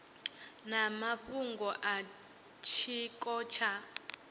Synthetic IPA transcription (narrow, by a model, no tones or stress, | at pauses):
namaɸuŋɡɔʔa | t͡ʃʰik̬ʼɔːt͡ʃʰa